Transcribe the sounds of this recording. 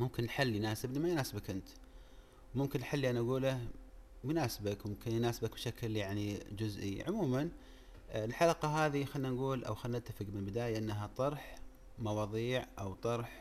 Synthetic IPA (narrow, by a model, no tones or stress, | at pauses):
mʊmkɪnːħalːjnaːsɪblimajnaːsɪbakʔɪnt̪ | wmʊmkɪnʔħalːiʔanaʔaɡuːlamʊnaːsɪbakmʊmkɪnjnaːsbakbʃakljaʕnid͡ʒʊzʔḭʕʊmuːman | ɪlħalaqɑɦaːðixanːanɡuːlʔa̰wxanːat̪ːafɪɡmɪlbɪd̪aːjaʔɪnːaɦat̪ˤɑɾˤħ | mɑwɑːðˤiːʕʔawt̪ˤɑɾˤħ